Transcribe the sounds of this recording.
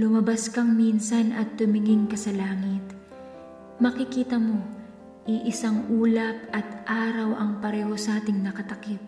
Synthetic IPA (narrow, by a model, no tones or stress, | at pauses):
lʊmɐbaskɐŋminsɐnʔɐt̪ːʊmɪŋɪŋkɐsɐlaːŋɪt̪ | mɐkɪkiːt̪ɐmo̞ | ʔiʔɪsaŋʔuːlɐp̚ʔɐt̪ʔaːɾɐwʔɐŋpɐɾɛːho̞sɐaːt̪ɪŋnɐkɐt̪ɐkɪt̪̚